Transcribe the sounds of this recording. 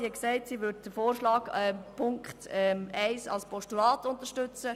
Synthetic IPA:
iɛksɛɪtsiːʋʏd̚d̥əfoːɾʃlɑːɡɛpʰʊŋkχtɛæɪsɑ̰lspʰɔʃtulɑːtʊntəʃtʏt͡sə

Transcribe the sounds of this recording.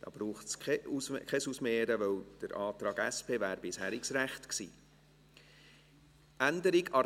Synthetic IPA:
d̥ɑ̰ːb̥ɾuːχtskʰɛuskʰɛsusmeːəɾəʋœwd̥əɾʔɑːt̪ɾɑːɡæspʰeːvæːɾb̥ɪshæːɾiksɾæχt̪ksḭː | ʔænd̪əɾiɡɑ

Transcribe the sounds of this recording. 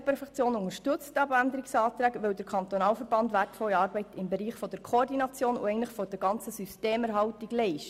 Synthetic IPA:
pʰɛɾfɛt͡sjoːnʊŋəʃtɵt͡stɑbænd̪əɾɪksɑːt̪ɾæːɡʋɛwd̪əɾkʰɑnt̪onɑːlfəɾb̥ɑnd̪ʋætfɔliɑːɾbɛɪtɪmbɛɾiːχfɔd̥̪əɾkʰoɔrd̪inɑt͡sjoːnṵɛɪntləχfɔd̥əɾɡɑnt͡səsysteːmɛɾɦɑwtiɡlɛɪʃt

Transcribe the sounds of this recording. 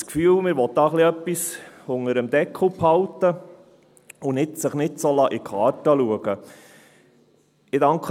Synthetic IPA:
skfyːlmɪɾʋɔt̪̚d̪ɑːχliœpːisʊŋəɾəmd̪ɛkʰːəl̩phɑlt̪ːə | ʊnɪtsəχnɪtsolɑːʔikʰɑːɾtəluəɡ̥ə | ɪdɑŋkχ

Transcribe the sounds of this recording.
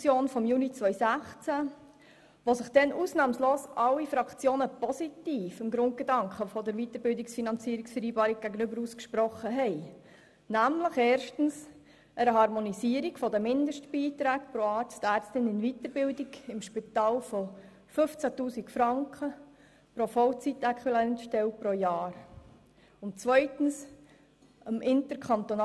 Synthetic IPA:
t͡sjoːnfɔmjuːnit͡sʋœʏsæχt͡sæ | ʋosɪχd̥ɛnʔuːsnɑːmsloːsʔɑlːifɾɑkt͡sjoːnəpɔsit̪iːfɪmɡɾʊnt̚ɡ̥ed̪ɑŋkχəfɔdəɾʋit̪əɾbɪldiksfinɑnt͡siːəɾiksfəɾiːbɑːɾik̚ɡ̥æɡənʏbəɾuːskʃpɾɔχːəɦɛɪ | næmləχɛːɾʃtən̩s | ʔəɾəɦɑɾmonisiːəɾikfɔdəmɪnd̪əʃtb̥iːt̪ɾæːkpɾoɑːɾt͡stæːɾt͡stɪnɪnvit̪əɾbɪldiɡɪmʃpɪtɑːlfɔ | fɵft͡sætuːsikfɾɑŋkχə | pɾofɔlt͡sit̪ɛkχilɛntʃtɛlpɾojɑːɾ | ʊntt͡svœʏtən̩s | əmʔɪnt̪əɾkʰɑnt̪on

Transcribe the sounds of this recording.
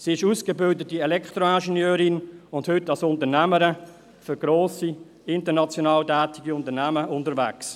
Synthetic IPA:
siːɪʃuːskebɪldətiɛlɛktʁoæʃenjøːɾɪnʊnthʏtːɑlsʊntənæməɾə | føɡ̥ɾoːsi | ɪntənɑt͡sjonɑːltɛːtɪɡiʊntənæməʔʊntəɾvæ̰ks

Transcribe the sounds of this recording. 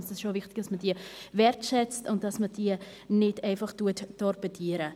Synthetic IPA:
ɪsdɛsʃovɪχtɪɡ̥d̥ɑsmədiəvɛɾtʃɛt͡stʊntd̥ɑsməd̥iːə | nɪteɪfɑχtuətːɔrpətʰiəɾə

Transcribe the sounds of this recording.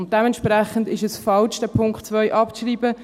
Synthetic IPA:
ʊnt̚d̥ɛmɛntʃprɛχəndɪʃəsfɑlʃd̥æpʰʊŋkχtt͡sʋœʏʔɑpʃriːbə

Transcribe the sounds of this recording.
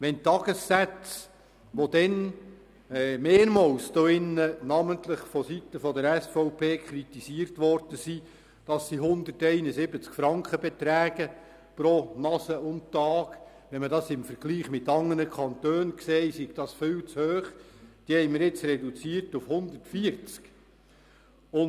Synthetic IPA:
ʋɛntɑɡ̥əsːæt͡s | ʋod̥̪ɛnː | meːɾmɑwsd̥̪oɪnːənɑmənt̪ləχfɔsit̪əfɔdəɾæsfɔʊpʰeːkχɾit̪isiːərtʋɔrd̥əsi | d̥ɑsːiɦʊnd̪ərtɛɪnəsɪbət͡skfɾɑŋkχəbɛt̪ɾæːɡ̥ə | pɾɔnɑsəʔʊntɑːɡ | ʋɛnmədɑsɪmfəɾɡ̥liːχmɪt̪ːɑŋːənəkʰɑnt̪øːnkseːsiɡ̥d̥ɑsfɪwt͡shøːχd̥iːhɛɪmɪɾɪt͡srɛdut͡siːərtufhʊnd̪ərtfiəɾt͡sk | ʊn

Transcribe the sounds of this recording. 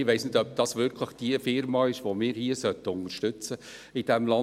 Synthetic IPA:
ɪʋeɪsnɪdœp̚d̥ɑsʋʏɾkʰləχd̥iəfɪɾmɑɪʃʋomɪːɾhiəsœtːəʊnəɾʃtʏt͡səid̥ɛmlɑ

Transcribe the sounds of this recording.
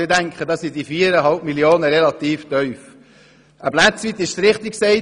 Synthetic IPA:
ɪdæŋkχədɑːsidifiːəɾəɦɑlpmiljoːnəɾɛlɑt̪iːftœʏf | ʔəblæt͡sʋiːt̪ːɪʃsɾɪχt̪ɪksɛɪ

